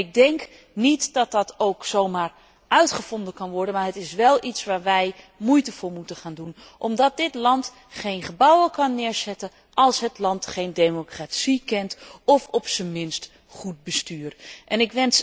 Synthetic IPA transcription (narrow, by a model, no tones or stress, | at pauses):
ɪɡ̚dɛŋk | nitdɑt̚dɑtowksowmaːɹ | ʔœɥtχəv̥ɔndəkɑnʋɔɹdənmaːɹɦətɪsʋɛlˠitsʋaːɹʋɛj | mujtəvʊːɹmutəχaːndun | ʔɔmdɑt̚dɪtlɑnt | χejnχəbɑwəkɑnːɪːɹzɛtən | ʔɑlˠsɦətlɑntχejndemokratsikɛntɔfɔpsəmɪnst | χut̚bəstyːrʔɛnɪkʋɛns